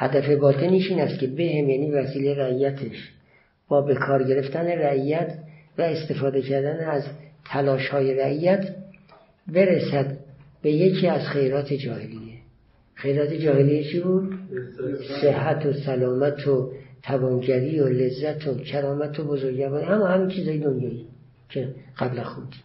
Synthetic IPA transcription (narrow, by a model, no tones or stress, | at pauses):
hæd̪æfe̞bɒːt̪ʰeniːʃiːnæst̪̚cʰe̞behemjæːniːvæsiːleɾæijæt̪ʰeʃ | b̥ɒːbe̞kʰɒːɾɟe̞ɾe̞ft̪æne̞ræijæt̪ʰvæest̪e̞fɒːd̪e̞cʰæɾd̪æneæzt̪ʰælɒːʃhɒːje̞ɾæʔijæt̪ʰ | be̞ɾesæd̪be̞je̞cʰiːæzχejɾɒːt̪ʰe̞d͡ʒɒːhelije | xejɾɒːt̪ʰed͡ʒɒːhelijet͡ʃʰibuːd̪ | sehɦːæt̪ʰosælɒːmæt̪ʰot̪ʰævɒːnɟæɾiːolezːæt̪ʰocʰæɾɒːmæt̪ʰobozoɾɡɟæɾbɒːd̪ihæmɒːhæmiːnt͡ʃʰiːzhɒːjed̪onjɒːi | cʰeɢ̥æblæxud̪i